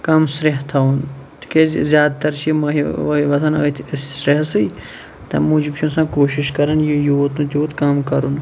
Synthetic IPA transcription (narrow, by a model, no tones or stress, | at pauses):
kɐmsɾeɦt̪ʰɐunt̪ʰi̥kezjaːd̪̚t̪ɐɾt͡ʃʰimɐɦiʋɐɦiʋɐt̪ʰɐnɐ̰t̪ʰsɾeɦsɨj | t̪ɐmuːd͡ʒibt͡ʃʰũnsãːkoːʃiʃkɐɾɐnjijoot̪ũːt̪ʲoːt̪kamkɐɾun